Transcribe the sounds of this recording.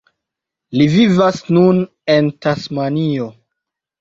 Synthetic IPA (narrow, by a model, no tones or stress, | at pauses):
livivasnun | e̞ntasmanio